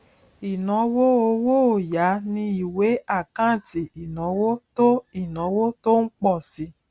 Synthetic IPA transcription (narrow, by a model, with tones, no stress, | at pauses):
i˨nɔ̃˨˦wo˦o˧˦wo˦o˨ja˨˦nĩ˧i˨we˨˦a˦˨kã˦˨ti˨i˨nɔ̃˨˦wo˦to˦i˨nɔ̃˨˦wo˦to˦n̩˦k͡pɔ˦˨si˧˦